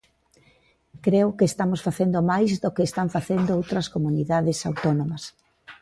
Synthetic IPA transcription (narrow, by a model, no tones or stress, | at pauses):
kɾeʊkeːst̪amosfaθend̪omajzðokeːst̪aɱfaθend̪ʊowt̪ɾɐskomuniðaðɪsawt̪onomɐs